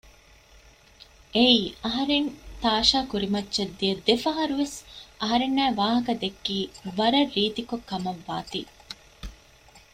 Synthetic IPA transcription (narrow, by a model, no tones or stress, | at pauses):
ʔeiːɐɦɐɾent̪aːʃaːkuɾimɐtːt͡ʃɐd̪ːijɐd̪efɐɦɐɾuʋesʔɐɦɐɾenːæːʋaːɦɐkɐd̪ekːiːʋɐɾɐrːiːt̪ikokːɐmɐʋːaːt̪iː